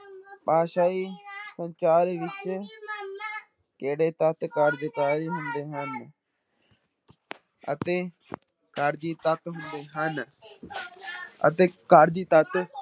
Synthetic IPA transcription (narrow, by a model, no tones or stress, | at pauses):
paːʃaːiːsəɲt͡ʃaːɾeːʋɪt͡ʃ | keːɽeːt̪ət̪kəɾd̪ɪkaːɾiːɦʊnd̪eːɦən | ə̰t̪eː | kaɾd͡ʒiːt̪ət̪ɦʊnd̪eːɦən | ə̰t̪eːkaɾd͡ʒiːt̪ət̪